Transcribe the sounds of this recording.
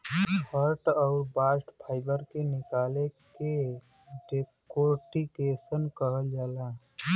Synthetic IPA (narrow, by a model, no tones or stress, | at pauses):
həɾʈɔʊɾbaːsʈpʰaːɪbəɾkenɪkaːleke | ɖekoːɾʈikeːsənkəɦəld͡ʒaːla